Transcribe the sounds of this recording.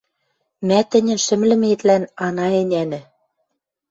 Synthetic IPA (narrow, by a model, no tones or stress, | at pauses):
mæt̪ɘ̆nʲɘ̆nʃɘ̆mlɘ̆met̪lænɑnɑenʲænɘ̆